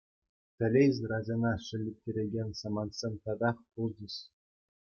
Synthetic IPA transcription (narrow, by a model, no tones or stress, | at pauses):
t̪ʲɘ̆lʲezʲrɑd͡ʑɤ̆nɑʂɘ̆lʲːep̚ʲtʲːeɾʲeɡʲenʲsɑmɑnt̪sʲemʲt̪ɑd̪ɑχpulˠd͡ʑɘ̆ɕ